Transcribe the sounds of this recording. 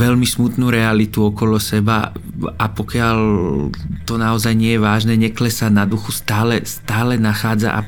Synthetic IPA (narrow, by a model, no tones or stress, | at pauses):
ʋɛlmismut̪nuːɾɛalit̪uɔkɔlɔsɛba̰ | apɔkɪal | t̪ɔnaɔzajɲɪɛjɛʋaːʒnɛːɲɛklɛsanad̪uxust̪aːlɛstt̪aːlɛnaxaːd͡za̰ʔa̰